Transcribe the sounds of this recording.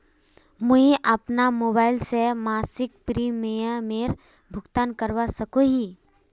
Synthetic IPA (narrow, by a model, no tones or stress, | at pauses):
mʊɦiʔɐpnamoːbaːɪlsemaːsɪk̚pɾiːmejəmeːɾ | bʱʊɡt̪aːnkəɾwasəkoɦiː